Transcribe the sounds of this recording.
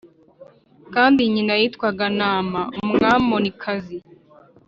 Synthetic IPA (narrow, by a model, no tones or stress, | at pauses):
kaːndiɲinajitkwaɡanaːmaumuŋaːmbo̞nikʰazi